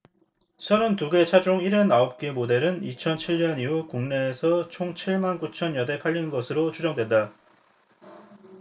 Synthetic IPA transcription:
sʰʌɾontuɡe̞t͡ɕʰad͡ʑoŋiɾʌnaop̚k͈emode̞ɾɯnit͡ɕʰʌnt͡ɕʰiɭɲʌniukuŋne̞ːsʰʌt͡ɕʰoŋt͡ɕʰiɭmankut͡ɕʰʌnjʌde̞pʰaʎːinɯnɡʌsʰɯɾot͡ɕʰud͡ʑʌŋdwe̞nda

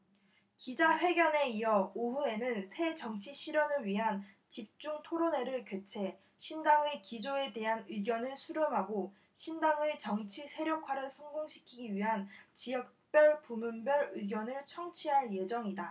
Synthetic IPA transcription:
kid͡ʑaɸwe̞ɡjʌne̞ijʌoɸue̞nɯnsʰe̞t͡ɕʌŋt͡ɕʰiɕʰiɾjʌnɯɭɥiɦan | t͡ɕip̚t͡ɕ͈uŋtʰoɾone̞ɾɯɭkjwet͡ɕʰe̞ | ɕʰindaŋɯkid͡ʑoe̞de̞ɦanɯɡjʌnɯɭsʰuɾɯmɦaɡo | ɕʰindaŋɯt͡ɕʌŋt͡ɕʰisʰe̞ɾjokʰwaɾɯɭsʰʌŋɡoŋɕʰi̥kʰiɡiɥiɦant͡ɕijʌk̚p͈jʌɭpumunbjʌɾɯɡjʌnɯɭt͡ɕʰʌŋt͡ɕʰiɦaɭje̞d͡ʑʌŋida

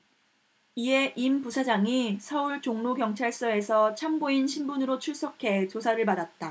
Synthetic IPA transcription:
ie̞ʔimpusʰad͡ʑaŋisʰʌuɭt͡ɕoŋnoɡkjʌŋt͡ɕʰaɭs͈ʌe̞sʰʌt͡ɕʰamboinɕʰimbunɯɾot͡ɕʰuɭs͈okʰe̞t͡ɕosʰaɾɯɭpadat̚t͈a

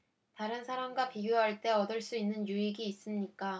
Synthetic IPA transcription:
taɾɯnsʰaɾamɡwapiɡjoɦaɭt͈e̞ʌdɯɭs͈uinːɯnjuiɡiːs͈ɯmɲik͈a

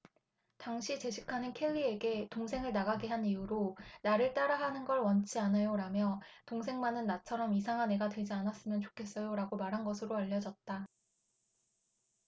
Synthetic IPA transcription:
taŋɕʰit͡ɕe̞ɕʰikʰanɯnkʰe̞ʎːie̞ɡe̞toŋsʰe̞ŋɯɭnaɡaɡiɦanijuɾonaɾɯɭt͈aɾaɦanɯnɡʌɭwʌnt͡ɕʰianɯjoɾamjʌtoŋsʰe̞ŋmanɯnːat͡ɕʰʌɾʌmisʰaŋɦane̞ɡadwed͡ʑianas͈ɯmjʌnt͡ɕo̥kʰe̞s͈ʌjoɾaɡomaɾɦanɡʌsʰɯɾoaʎːʌd͡ʑʌt̚t͈a

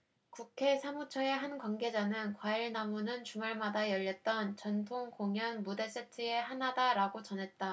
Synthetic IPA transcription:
kukʰe̞sʰamut͡ɕʰʌe̞ɦankwanɡe̞d͡ʑanɯnkwaiɭnamunɯnt͡ɕumaɭmadajʌʎːʌt̚t͈ʌnt͡ɕʌntʰoŋkoŋjʌnmude̞s͈etʰɯe̞hanadaɾaɡot͡ɕʌnɦe̞t̚t͈a

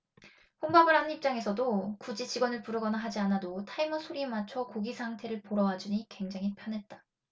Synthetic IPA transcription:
ɸoŋbabɯɭɦanɯnip̚t͡ɕ͈aŋe̞sʰʌdokud͡ʑit͡ɕiɡwʌnɯɭpuɾɯɡʌnaɦad͡ʑianadotʰaimʌsʰoɾimat͡ɕʰʌkoɡisʰaŋtʰe̞ɾɯɭpoɾʌad͡ʑuɲikwe̞ŋd͡ʑaŋɦipʰjʌnɦe̞t̚t͈a

